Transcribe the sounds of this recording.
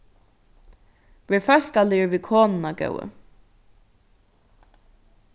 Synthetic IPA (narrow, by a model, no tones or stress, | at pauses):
ʋefœɬkalɪːʋikʰoːnnaɡœ̰wə̰